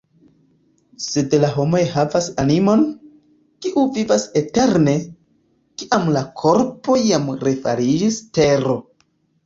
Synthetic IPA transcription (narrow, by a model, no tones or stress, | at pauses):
se̞dlaɦo̞mo̞jɦavasanimo̞n | kiʔuvivase̞te̞ɾne̞ | kiʔamlakʰo̞ɾpo̞amɾefa̰ɾid͡ʒiste̞ɾo̞